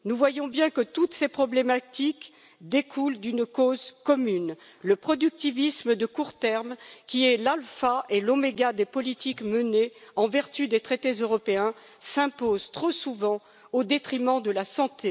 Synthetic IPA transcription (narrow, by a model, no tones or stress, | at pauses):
nuvwajɔ̃bjɛ̃kət̪ut̪sepχɔblemat̪ik | d̪ekʰuld̪ynkozkɔmyn | ləpχɔd̪yk̚t̪ivisməd̪əkuʁt̪ɛʁmkʲiɛlalfaelomeɡad̪epɔlit̪ikməneɑ̃vɛʁt̪yd̪et̪χet̪ezøʁɔpeɛ̃ | sɛ̃pozt̪χosuvɑ̃ | od̪et̪χimɑ̃d̪əlasɑ̃t̪ʰe